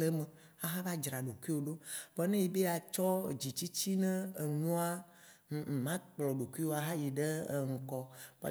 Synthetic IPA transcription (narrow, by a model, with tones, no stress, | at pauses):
le˦me˨ | a˨ɦa˦va˦d͡ʒɾa˨ɖo˨ku˦i˦wo˨ɖo˦bɛ˦nẽ˦ji˨˦be˦a˨t͡ʃɔ˦˨d͡ʑi˨t͡ɕi˦t͡ɕi˦nɛ̃˦e˨nũ˦a˦˨ | mã˦k͡plɔ˨ɖo˨ku˦i˦wo˦a˨ɦa˦ji˨ɖe˦˨ŋ̩˨kɔ˨ba̰˨